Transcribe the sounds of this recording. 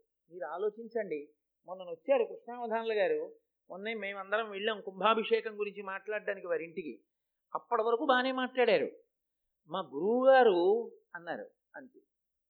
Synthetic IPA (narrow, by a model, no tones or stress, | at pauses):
miːɾuaːlo̞ːt͡ʃiɲt͡ʃɐɳɖi | mond̪ɐnot͡ʃːaːɾukɾuʂɳnaːmɐd̪ʱaːnlɐɡaːɾu | onːɐme̞ːmɐnd̪ɐɾɐmʋeɭːeːmkumbʱaːbʱiʂɛːkɐmɡuɾiɲt͡ʃimaːʈlaːɽːaːnikiʋaːɾiɳʈikḭ | ɐpːɐɽɐʋɐɾɐkuːbaːneːmaːʈlaːɽaːɾṵ | maːɡuɾuːɡaːɾu | ɐnːaːɾṵ | ɐnt̪i